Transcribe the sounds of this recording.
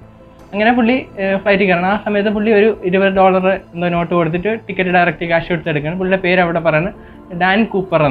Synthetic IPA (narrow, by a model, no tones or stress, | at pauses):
ɐŋːɐnepuɭːifɭɐjtːɨkɐɾaɳɐmaːsɐmɐjɐt̪ːɨpuɭːio̞ɾuiɾubɐðɨɖo̞ːɭɐrɨend̪ono̞ːʈːɨko̞ɽut̪ːiʈːɨʈikːɐʈːɨɖɐjrɐk̚ʈikaːʂɐkoɽt̪ːeɽukːɐɳɨpuɭːiɽepe̞ːɾɐʋiɽepɐrɐjaːɳɨ | ɖaːnkuːpːɐren